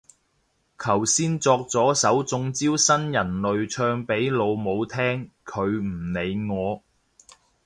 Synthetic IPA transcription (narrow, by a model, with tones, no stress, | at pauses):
kʰɐ˨˩wsiː˥nt͡sɔː˧k̚t͡sɔː˨˥sɐ˨˥wt͡sʊ˧ŋt͡siː˥wsɐ˥njɐ˨˩nlɵ˨ɥt͡ʃʰœː˧ŋpe˨˥jlo˨˧wmo˨˧wt̪ʰɛː˥ŋ | kʰɵ˨˧ɥm̩˨˩ne˨˧jŋɔː˨˧